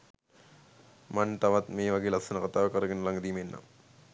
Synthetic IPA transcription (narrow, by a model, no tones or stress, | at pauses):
mant̪aʋɐt̪meːʋɐɡeːlɐksɐnəkat̪aːʋəkəɾəɡenːəlɐŋɡəd̪iːmenːa̰